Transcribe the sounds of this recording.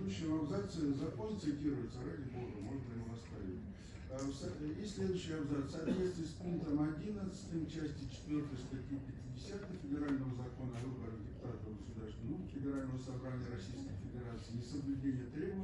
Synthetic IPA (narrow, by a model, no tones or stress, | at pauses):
d̪ʊɕːɪmɐbzat̪sɨzɐkont̪sɨtʲiɾʊjɪt̪səɾadʲɪboɡəmo̞ʐɨt̪ənʲuvɐst̪avʲɪt̪ʲ | sɪsʲlʲe̞d̪ʊɕːɪjɐbzat̪ssaːt̪vʲet̪st̪vʲɪspuŋkt̪əmɐdʲinət̪sɨ̥t̪ɨmt͡ɕæsʲtʲɪt͡ɕɪ̥t̪vʲo̞rt̪əjst̪ɐtʲipʲɪtʲɪdʲɪsʲat̪ɨfʲɪdʲɪɾalʲnəvəzɐko̞nəɐvɨbəɾədʲɪpʊ̥t̪at̪əɡəsʊd̪arst̪vʲɪnufʲɪdʲɪɾalʲnəvəsɐbɾanʲɪjəɾɐsʲijskəjfʲɪdʲɪɾat̪sɨɪnʲɪsəblʲʉdʲenʲɪjət̪ɾʲe̞bəv